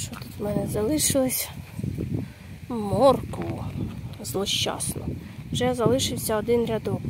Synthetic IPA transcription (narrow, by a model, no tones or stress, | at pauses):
t͡ʃɔt̪u̥t̪mɛnɛzɐlˠɪʃɪlˠɪsʲ | mɔrkɔʊzlˠɔʃt͡ʃɑ̰snɔ̰ | wʒɛzɐlˠɪʃɪwsʲɐɔd̪ɪnɾʲad̪ɔk